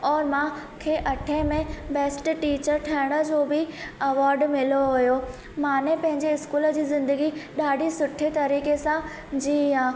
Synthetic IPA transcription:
ɔːɾmãkʰeːʔɐʈʰẽmẽbeːsʈʈiːt͡ɕəɾʈʰɐɪɽ̃ə̆d͡ʑoːbɪɐʋaːɾɖmɪloɦʊjo | mãːnẽpɐ̃ɦɪ̃ɲd͡ʑeɪskuːləd͡ʑiːzɪ̃nd̪əɡiɗaːɖʱisʊʈʰet̪ɐɾiːkesã | d͡ʑiːãː

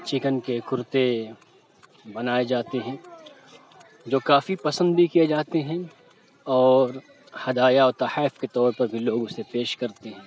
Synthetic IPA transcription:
t͡ʃɪkənkekʰʊɾt̪e | bɐnaːed͡ʒaːt̪eɦɛ̃ː | d͡ʒoːkaːfipɐsə̃nd̪bʱikijed͡ʒaːt̪eɦɛ̃ | ɔːɾ | hɐd̪aːjaɔːɾt̪ɐħaːfket̪ɔːɾpɐɾbʱiloːɡʊsepeːʃkɐɾt̪eɦɛ̃ː

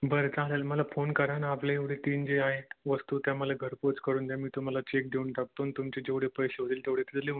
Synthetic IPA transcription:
bəɾet͡salalməlafonkəɾanapleeʋɽ̤et̪iːnd͡zeaɦet̪ʋəst̪uːt̪jaməlaɡʱəɾpot͡skəɾuːnt̪jamiːt̪um̤alat͡ɕek̚d̪ʱeunɳʈak̚t̪oːnt̪umt͡ɕed͡ʑeʋɽ̤epəjɕeɦot̪iːlt̪eʋɽ̤et̪it̪le

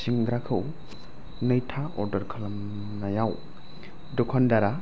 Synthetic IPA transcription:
siŋɡɾakʰɯw | nɯjtʰaɔɾdɐɾkʰalam | najaw | dɔkʰɔndaɾa

